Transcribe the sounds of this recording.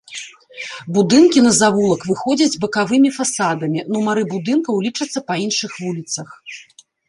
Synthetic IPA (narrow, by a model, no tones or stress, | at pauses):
bud̪ɨnkʲinɐzavulˠɐkvɨxɔd͡zʲɐd͡zʲbɐkavɨmʲifasad̪ɐmʲinumɐɾɨbud̪ɨnkɐwlʲit͡ʂɐt̪sːɐpɐinʂɨxvulʲit̪sɐx